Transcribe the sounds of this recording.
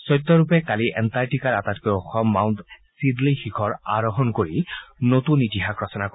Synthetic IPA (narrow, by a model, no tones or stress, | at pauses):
sɔjt̪ːɔɹupɛkaliʔɛntajtikaɹatatkɔɔxɔmːawntsidlixikʰɔɹa̰ɹɔɦɔnkoɹinotunːitiɦakɹɔsɔnak